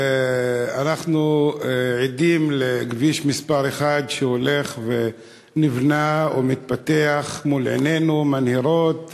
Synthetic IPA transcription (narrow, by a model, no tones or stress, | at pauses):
anaχnu | ʕid̪imleɡviʃmispaʁeχad̪ʃehole̞χve | nivnaomit̪̚pat̪e̞aχmulʕḛne̞numanhiɾo̞t̪